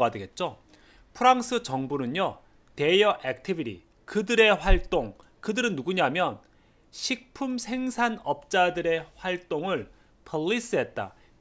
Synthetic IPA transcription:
adɯɡe̞t̚t͡ɕ͈o | pʰɯɾaŋs͈ʰɯt͡ɕʌŋbunɯnjʌ | te̞jʌʔek̚tʰibiɾḭ | kɯdɯɾe̞ɸwaɭt͈oŋ | kɯdɯɾɯnːuɡuɲamjʌn | ɕʰik̚pʰumsʰe̞ŋsʰanʌp̚t͡ɕ͈adɯɾe̞ɸwaɭt͈oŋɯɭ | pʰʌʎːis͈ɯɦe̞t̚t͈a̰

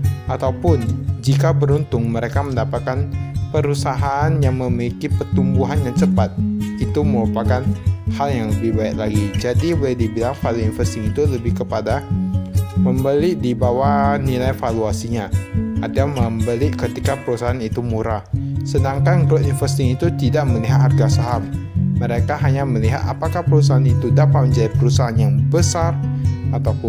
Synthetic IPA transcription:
ʔat̪awpʊnd͡ʒikabəɾunt̪ʊŋməɾekaməndapat̪̚kanpəɾusaɦaʔanjaŋməmikipət̪umbuɦanjaŋt͡ʃəpat̪̚it̪uməɾupakanhaljaŋləbɪhbaɛʔlaɡid͡ʒadibolɛhdibilaŋfaluinfərst̪ɪŋit̪uləbɪhkəpada | məmbəliʔdibawanilajfaluasiɲaat̪iaməmbəlikət̪ikapəɾusaɦanit̪umuɾahsədaŋkanɡɾoʔinfərst̪ɪŋit̪ut̪idaʔməliɦat̪̚harɡasaɦamməɾekaɦaɲaməliɦa̰t̪a̰pakahpəɾus̬aɦanit̪udapat̪̚məɲd͡ʒadipəɾusaɦanjaŋbəsarat̪awpʊn

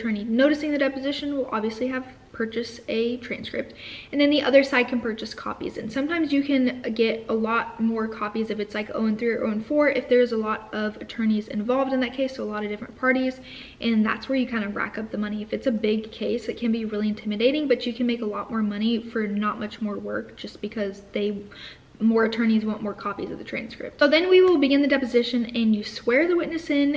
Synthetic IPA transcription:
tʰɜ̃˞ninoʊɾɨsɪ̃ŋðɨdɛpɨzɪʃɨ̃nwəlˠʔɑ̰bviɨsliɨv̥ | pʰɜ˞t͡ʃɨsɨtʰɹ̥æ̰̃nskɹɨp̚tɨ̃nðɨ̃nðiʔʌðə˞saɪd̚kʰɨ̃n̩pʰɜ˞t͡ʃɨskʰɑ̰pḭzɨ̰̃nsʌ̃mtʰãɪ̃mzjɨkʰɨ̃nɡɛɾəlɔt̚mɔɹkʰɑpizɨfɨtslaɪko̰ʊɨ̃nθɹʉʔõ̰ʊɨ̃nfɔɹʔɨfðə˞ɨzəlɔɾʌvɨtʰɜ̃˞nizɨ̰̃ɱvɑlˠvdɨ̃nðɨt̚kʰeɪsoʊəlɔɾʌvdɪfɹɨ̰̃npʰɑɹɾiz̥ | ʔɨ̃nðæ̰tswə˞jɨkʰãɪ̃ndɨɹæ̰kʌp̚ðəmʌñiɨfɨtsɨbɪɡ̚kʰeɪsɨt̚kʰɨ̃nbiɹɪlˠiɨ̃ntʰɪ̃mɨdeɪɾɪ̃ŋbʌt͡ʃɨkʰɨ̃n̩meɪkəlɔʔ̚mɔɹmʌɾ̃ifə˞nət̚mʌt͡ʃmɔɹwɜ˞k̚d̥ʒ̥ʌsb̥ɨkʰʌzðeɪ | mɔɹɨtʰɜ̃˞ñizwɑ̃ʊ̃nʔmɔ˞kʰɑpizʌ̰vðɨtʰɹ̥æ̃nskɹ̥ɪ̰p̚tsʊðɨ̃nwiwɪlˠbɨɡɪ̃nðɨdɛpɨzɪʃɨ̃nɨ̃njɨswɛɹðɨwɪʔⁿnɨsɪ̃n

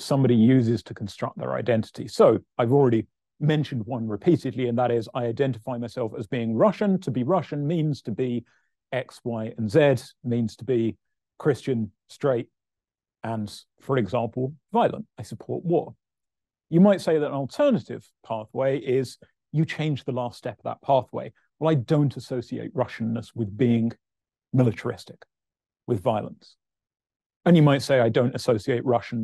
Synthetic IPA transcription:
sʌ̃mbɑɾijʉzɪz̥tʰəkʰn̩stɹ̥ʌ̰k̪̚ðə̰˞ʔa̰ɪdɛ̃ntʰə̥tḭsoʊaɪvl̩ˠɹɛɾi | mɛ̃nʃɨ̃n̩d̚wʌ̃nɹɨpʰiɾɨdˡliɨ̃nðəɾɪzaɪaɪdɛ̃ntɨfaɪmaɪsɛlˠfəzbiɪ̃ŋɹʌʃɨ̃ntʰəbiɹʌʃɨ̃nmĩnz̥tʰəbi | ɛkswaɪʔɨ̃nzɛdmĩnz̥tʰəbi | kʰɹ̥ɪst͡ʃɨ̃n | stɹ̥eɪt̚ | ə̃n | fə˞ɨɡzɑ̃mpʰl̩ˠvaɪlˠə̰̃ntaɪsəpʰɔ̰ɹʔwɔɹ | jɨmaɪtseɪðəɾə̃nlˠtʰɜ˞nəɾɪv̥pʰɑˑθweɪʔɪz̥ | jɨt͡ʃʰẽɪ̃nd͡ʒðəlæˑstɛpəvðə̰t̚pʰɑˑθwḛɪ | wəlˠaɪdõʊ̃ntʰəsoʊsiḛɪʔ̚ɹʌʃn̩ːəswɨðbiɪ̃ŋ | mɪlɨtʰə˞ɪ̰stɪk | wɪðvaɪlˠə̰̃ns | ɨ̃njɨmaɪtseɪaɪdõʊ̃ntɨsoʊsieɪʔ̚ɹʌʃn̩

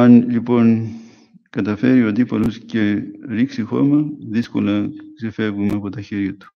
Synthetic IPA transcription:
anʎipon | kɐt̪ɐfeɾjod̪ipɐlosceɾiksixo̰meðisko̰lɐsifeβumeɐpot̪ɐçeɾjot̪u̥

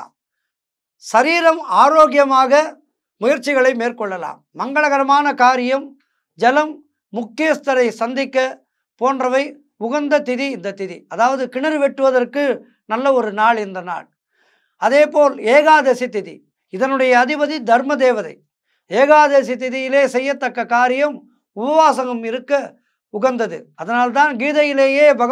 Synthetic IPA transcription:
sɐɾiːɾɐmaːɾoːɣjɐmaːɣɐ | mʊjɐɾt͡ʃːɪɣɐɭɐɪmeːrkɔɭːɐla̰ːmːɐŋɡɐɭɐɣɐɾɐmaːnɐkaːɾɪjɐm | d͡ʒɐlɐmː | ʊkːɪjjɐst̪ɐɾɐɪsɐnd̪ɪkːɐ | poːndrɐʋɐɪ | ʊɣɐnd̪ɐt̪ɪðiɪnd̪ɐt̪ɪðḭɐðaːʋɐðɯkɪɳɐɾɯʋɛʈːɯʋɐðɐrkɯ | nɐlːɐɔɾɯnaːɭɪnd̪ɐna̰ːɭ | ɐðeːpoːleːɣaːðesit̪ɪðḭ | ɪðɐnɯɽɐjɐːðɪbɐðid̪ʱɐɾmɐd̪eːʋɐðɐɪ | eːɣaːðesit̪ɪðɪjɪleːsɛjːɐt̪ːɐkːɐkːaːɾɪjɐm | ʊbɐʋaːsɐŋɐmɪɾɯkːɐ | ʊɣɐnd̪ɐðɯ̰ɐðɐnaːlt̪aːnɡiːðɐjɪleːjeːbɐɣɐ

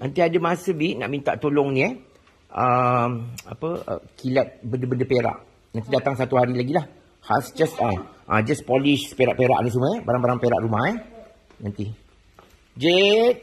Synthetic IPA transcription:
nant̪iadəmasəbiʔ̪̚na̰ʔmint̪a̰ʔt̪olɔŋnĩɛ | ʔəma̰pəə̰kʰilat̪̚bəndəbəndəpeɾa̰ʔ | nãnt̪idat̪aŋsat̪uɦaɾilaɡilah | ha̰sd͡ʒasaʔad͡ʒaspɔliʃspeɾa̰ʔpeɾa̰ʔniʔs̬uməɛbaɾaŋbaɾaŋpeɾa̰ʔɾumahɛ | nant̪i | d͡ʒet̚

